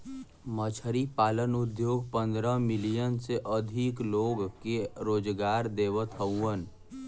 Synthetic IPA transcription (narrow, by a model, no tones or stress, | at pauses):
mət͡ʃʰəɾipaːlənud̪joːɡpə̃nd̪ɾəmilijənseʔəd̪ʱikloːɡkeɾoːd͡ʒɡaːɾd̪eːʋət̪ʰəwən